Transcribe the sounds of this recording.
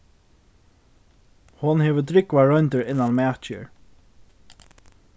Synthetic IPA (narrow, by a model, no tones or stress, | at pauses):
hʊnhɛːʋəd̪ɾɪkʋaɹɔjnt̪əɹɪnːanmæːt͡ʃə̰ɹ